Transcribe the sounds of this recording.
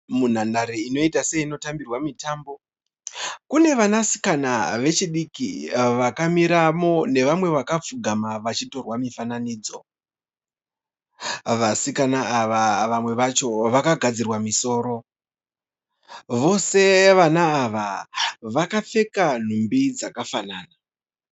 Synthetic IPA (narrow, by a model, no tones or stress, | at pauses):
mun̤andaɾiino̞itaseiːno̞tambirwamitaːmbo̞ | kune̞ʋanasi̥kanaʋe̞t͡ʃiɗikḭʋakamiɾamo̞ne̞ʋamwe̞ʋakafuɡʱamaʋat͡ʃito̞rwamifananiːd͡zo̞̰ | ʋasikanaaʋaʋamwe̞ʋat͡ʃo̞ʋakaɡʱad͡zirwamiso̞ːɾo̞ | ʋo̞se̞ʋanaːʋaʋakap͡fe̞kan̤umbid͡zakafanaːna